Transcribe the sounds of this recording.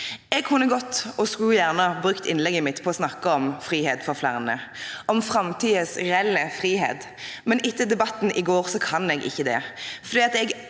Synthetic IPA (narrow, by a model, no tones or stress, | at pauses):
ɛɡ̚kʰʉnːəɡɔt̪ːɔskʉljæʁnəbʁʉkt̪ɪnlɛɡəmɪt̪pʰɔɔsnɑkːəɔmfʁiːheːt̪fɔʁflæ̰ʁnə̰ʔɔmfʁɑmt̪ʰiːəsɾɛlːəfʁiːɦḛːt̪ | mɛnɪt̪ʰːəd̪ɛbɑt̪ːn̩ɪɡoːʁsɔkʰɑnɛɡʔɪ̰çːəd̪ɛ̰fɔʁd̪iːɑt̪ɛɡ